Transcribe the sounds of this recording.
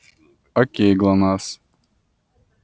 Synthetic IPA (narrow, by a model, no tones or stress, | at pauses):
akʲeɡlˠanaːs